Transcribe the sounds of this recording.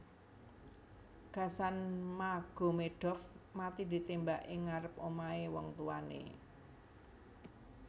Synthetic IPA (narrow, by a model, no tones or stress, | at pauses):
ɡ̥a̤sanmaɡ̥o̤meɖ̥ɔ̤fmat̪id̪̥i̤t̪embaʔeŋaɾəp̚omaewɔŋt̪uanḛ